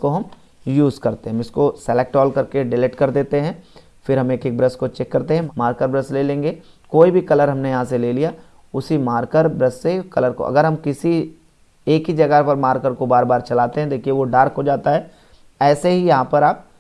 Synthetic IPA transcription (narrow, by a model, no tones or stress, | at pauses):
koɦɐm | juːzkɐɾt̪eɦɛ̃ɪskosɛlek̚ʈɔːlkɐɾkeɖɪleʈkɐɾd̪eːt̪eɦɛ̃ | fɪɾɦɐmeːkeːk̚bɾɐskot͡ʃɛːkːɐɾt̪eɦɛ̃maːɾkəɾbɾɐsleːlẽːŋ̆ɡe | koːibʱikɐləɾɦɐmnejɐɦãs̬eleːlija | ʊsimaːɾkəɾbɾɐssekɐləɾko̰ʔɐ̰ɡəɾɦɐmkɪsi | eːkɦid͡ʒɐɡəpɐɾmaːɾkəɾkobaːɾbaːɾt͡ʃɐlaːt̪eɦɛ̃d̪eːkʰieʋoɖaːɾkɦod͡ʒaːt̪aɦɛː | ɛːseɦijɐɦãpɐɾaːp̚